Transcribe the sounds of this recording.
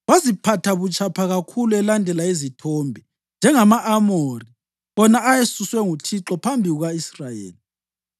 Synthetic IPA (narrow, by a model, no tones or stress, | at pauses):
wazipʰatʰaβut͡ʃʰʼapʰaɣakʰuluɛlandʱɛlaezitʰɔːmbʱɛ | nd͡ʒʱɛŋamaʔːmori | βɔnaːjesuswɛŋutʰiǁɔpʰambʱiɣuɣaisrajḛːli